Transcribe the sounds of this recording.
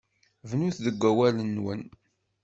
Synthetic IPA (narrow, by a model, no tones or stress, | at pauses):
vnuθðəɡʷːæwælənːwən